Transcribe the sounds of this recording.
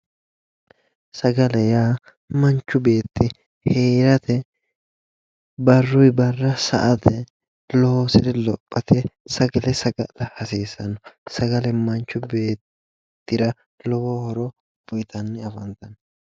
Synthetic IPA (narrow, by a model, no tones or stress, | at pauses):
sɐɡɐlɛjaː | mɐnt͡ʃːʊbe̞ːt̪ːɪ | heːɾɐt̪ɛ | bɐrːʊjbɐrːɐsɐ̰ʔɐt̪ʰɛ | lɔhosɛɾɛlɔpʼːɐt̪ʰɛsɐɡɐlɛsɐɡɐlɐhɐsiːsɐnɔsɐɡɐlɛmɐnt͡ʃːʊbe̞ːt̪ː | ɪɾɐ | lɔhohɔɾɔ | bʊjt̪ɐnːɛɐfɐnt̪ɐn